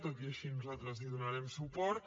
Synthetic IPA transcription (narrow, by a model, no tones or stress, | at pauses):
t̪ot̪iəʃinuzalˠt̪ɾəzliðunaɾɛmsupɔɾt̪